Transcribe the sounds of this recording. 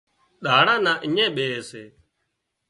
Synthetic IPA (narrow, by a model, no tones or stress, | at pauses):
ɗaːɽãːnãːʔɪɲẽːɓeːseː